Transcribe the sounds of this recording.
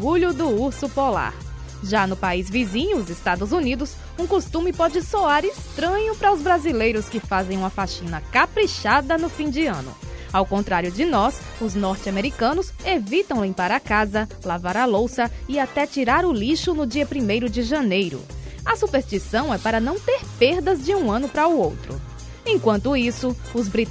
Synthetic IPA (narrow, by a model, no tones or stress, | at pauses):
ɡuʎʊd̪ʊuɾsʊpola̰ɾ | ʒanʊpaizvizĩɲʊʊzɪst̪ad̪ʊzunid̪ʊs | ũkost̪ũmɪpɔd͡ʒɪsoaɾɪst̪ɾɐ̃ɲʊpɾɐʊzbɾazilejɾʊskɪfazẽj̃ũmɐfaʃĩnɐkapɾiʃad̪ɐnʊfĩd͡ʒɪɐ̃nʊ̰awkõnt̪ɾaɾjʊd͡ʒɪnɔs | ʊznɔɾt͡ʃɪameɾikɐ̃nʊsevit̪ɐ̃w̃lĩmpaɾɐkazɐlavaɾɐlowsɐɪat̪ɛt͡ʃiɾaɾʊliʃʊnʊd͡ʒiɐpɾimejɾʊd͡ʒɪʒɐ̃nejɾʊ̰ɐsupeɾst͡ʃisɐ̃w̃ɛpaɾɐnɐ̃w̃t̪eɾpeɾd̪ɐzd͡ʒɪũɐ̃nʊpɾɐʊowt̪ɾʊ̰ | ẽj̃kwɐ̃nt̪ʊisʊ | ʊzbɾi